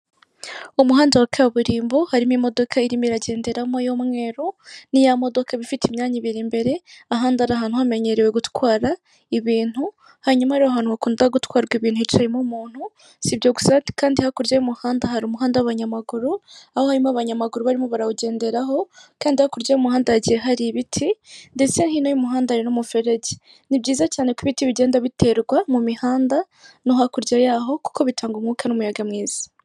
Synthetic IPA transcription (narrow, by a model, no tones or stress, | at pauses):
umuɦaːndawakajaβuɾiːmbo̞haɾimimo̞do̞kʰaiɾimiɾaɟe̞ːnde̞ɾamojomŋe̞ɾonijamo̞do̞kʰaβifitimɲaːɲiβiɾimbe̞ɾe̞aɦaːndaɾaɦaːn̥huhame̞ɲe̞ɾewe̞ɡutwwaːɾa | iβiːn̥hu | haɲumaɾioɦaːn̥uhakuːndaɡutwaːɾɡwiβiːn̥huit͡ʃaimumuːn̥hu | sibjo̞ɡu̥sakaːndihakuɾɟemuhaːndahaɾumuɦaːndaaβaɲamaɡuɾuahohaɾimaβaɲamaɡuɾuβaɾimoβaɾauɟe̞ːnde̞ɾaɦo̞kaːndihakuɾɟajumuhaːndaaɟiɾeɦaɾiβitʰinde̞t͡se̞nhinojumuɦaːndahaɾinomufe̞ɾe̞ɟe̥ | nibɟiːzacaːne̞kuβitiβiɟe̞ːndaβite̞ɾɡwamumihaːnda | noɦakuɾɟajaːɦo̞ku̥ko̞βitʰaːŋɡumŋuːkanumujaɡamŋiːz̥ḁ